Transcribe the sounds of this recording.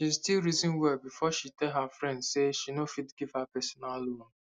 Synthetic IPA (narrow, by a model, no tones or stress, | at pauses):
ʃiztilɾizɔ̃nwɛbifɔʃitɛlɦafɾɛ̃ndseʃinofitɡiv̥hapɛsɔnalon